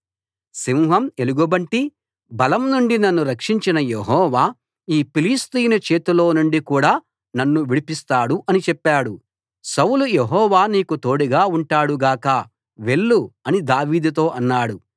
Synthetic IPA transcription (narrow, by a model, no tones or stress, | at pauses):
simɦɐme̞luɡubɐɳʈi | bɐlɐmnuɳɖinɐnːuɾɐkʂiɲt͡ʃinɐjeɦɔːʋaː | iːpiliːst̪ijnɐt͡ʃe̞ːt̪ulo̞ːnuɳɖikuːɽaː | nɐnːuʋiɽipist̪aːɽuʔɐnit͡ʃɛpːaːɽu | sɐwlujeɦɔːʋaːniːkut̪o̞ːɽiɡaːuɳʈaːɽuɡaːkɐ | ʋe̞ɭːuɐnid̪aːʋiːd̪ut̪̬o̞ːʔɐnːaːɽu